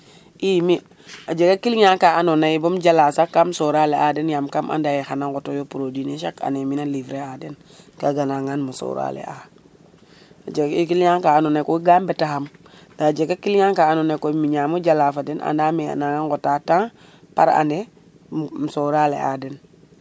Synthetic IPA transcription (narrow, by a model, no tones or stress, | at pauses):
imi | ad͡ʒekakilɲaŋkaanonaibomɟalasakːamsoɾaːleadenjamkamʔa̰ndajexanaŋɡotojopuɾodineʃaka̰neminalivɾeaden | kaɡanaŋanmuso̰ɾa̰lḛa | ad͡ʒeikilɲaŋkaːnonekoɡambetaham | dad͡ʒeɡakilɲaŋkaanonekomiɲaːmuɟalaːfadenʔa̰ndaːmea̰naŋakotaːtaŋ | pa̰ɾa̰ne | msoɾaːlḛa̰den